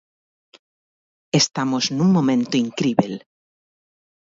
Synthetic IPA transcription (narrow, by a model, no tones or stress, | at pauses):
est̪amoznũŋmõmẽnt̪oiŋkɾiβel